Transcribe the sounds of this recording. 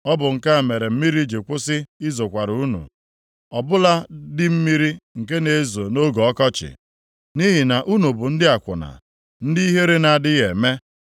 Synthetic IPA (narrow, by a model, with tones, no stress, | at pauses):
ɔ˦bʊ˨ŋ̩˨ka˦˨me˨ɾe˨m̩˦mi˦ɾi˦d͡ʒe˨kʷʊ˦sɪ˦ɪ˦zo˨kʷa˨ɾu˨u˦nṵ˨ | ɔ˨bʊ˦la˦dɪ˦m̩˦mi˦ɾi˦ŋ̩˨k̬e˦ne˨e˦zo˨no˦ɡɔ˨ɔ˦kɔ˦t͡ʃɪ̰˨ | ni˦ɦi˨na˨ʔu˦nu˨bʊ˨n̩˦dɪ˦a˨kʷʊ̰˨na̰˨ | n̩˦di˦i˦ɦe˦ɾe˦na˨dɪ˦ɣe˨me˦